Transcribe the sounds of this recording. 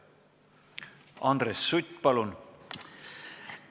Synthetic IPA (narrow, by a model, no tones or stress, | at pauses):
ɑnd̪resːut̪ʲːpɑlun